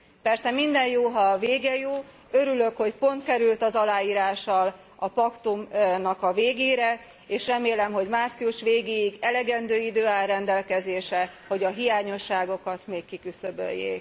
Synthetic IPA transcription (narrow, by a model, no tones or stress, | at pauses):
pɛrsɛmind̪ɛnjoːɦɒveːɡɛjoː | ø̞ɾylø̞kho̞cpo̞nt̪kɛɾylt̪ɒzɒlaːjiːɾaːʃɒl | ɒpɒkt̪umnɒkɒveːɡeːɾɛ | eːʃrɛmeːlɛmɦo̞ɟmaːrt̪siuʃʋeːɡeːjiɡɛlɛɡɛnd̪øːid̪øːaːlrɛnd̪ɛlkɛzeːʃɛho̞ɟɒɦijaːɲo̞ʃːaːɡo̞kɒt̪meːkːikysø̞bø̰jːḛːk